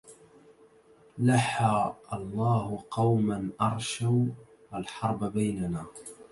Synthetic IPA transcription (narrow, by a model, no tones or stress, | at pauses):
laħaːʔɑlˤːɑːhʊqɑwmanʔɑɾˤʃaw | ʔalħɑɾˤbabajnanaː